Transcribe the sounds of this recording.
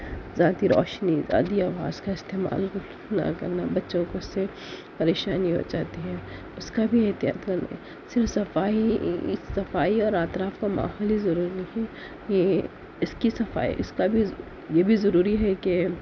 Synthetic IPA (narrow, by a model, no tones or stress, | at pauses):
zaːt̪iɾɔ̰ːʃniza̰ːd̪iaːʋa̰ːzkaɪst̪eːma̰ːl | na̰kɐ̰ɾnabɐtːʃõkoɪsːe | pɐɾeːʃaːniɦo̰d͡ʒaːt̪iɦɛ̃ː | ʊskabʱiɐɦt̪ija̰ːt̪kɐɾna̰ | sɪɾfsɐfaːisɐfaːiɔːɾaːt̪ɾaːfkama̰ːɦɔːlizɐɾuːɾinɐɛ | je | ɪskisɐfa̰ːḭʔɪskabʱi | jebʱizɐɾuːɾiɦɛke